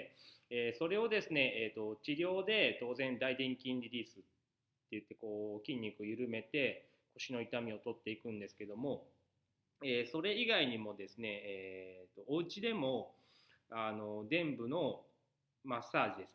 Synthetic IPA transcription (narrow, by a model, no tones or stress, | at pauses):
eːso̞ɾe̞o̞d̪e̞sɨne̞eːt̪ːo̞t͡ɕiɾʲjo̞ːd̪e̞t̪o̞ːzẽ̞nd̪aid̪ẽŋkʲĩnd̪ʲiɾʲiːsɨt̪ː | e̞jɯ̟t̪ːe̞ko̞ːkʲĩɲ̟ʲːikɯjɯ̟ɾɯ̟me̞t̪e̞ | ko̞ɕino̞it̪amʲio̞t̪o̞t̪ːe̞ikɯ̟̃nd̪e̞sɨ̥ke̞d̪o̞mo̞ | eːso̞ɾe̞iɡaiɲ̟imo̞d̪e̞sɨne̞ːt̪ːo̞ːɯ̟t͡ɕid̪e̞mo̞ | ano̞d̪ẽ̞mbɯ̟no̞ | masːaːʑid̪es